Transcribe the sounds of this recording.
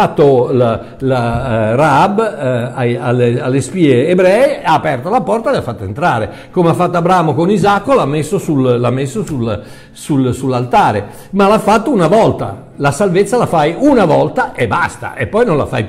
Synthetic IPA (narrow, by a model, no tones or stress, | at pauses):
at̪ːol | larabajalːealːespiːeːbɾɛːeaːpɛrt̪olapɔrt̪aelafːat̪ːoent̪ɾaːɾe | komeafːat̪ːoabɾaːmokonizakːolamːesːosullamːesːosul | sulsulːalt̪aːɾḛ | malafːat̪ːounavɔlt̪a̰ | lasalvet̪sːalafajunavɔlt̪aʔebːast̪a̰ʔepːɔjnõla̰fa̰j